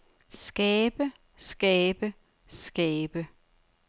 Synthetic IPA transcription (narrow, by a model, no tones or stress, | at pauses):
sɡ̥ɛːb̥ə | sɡ̥ɛːb̥ə | sɡ̥ɛːb̥ə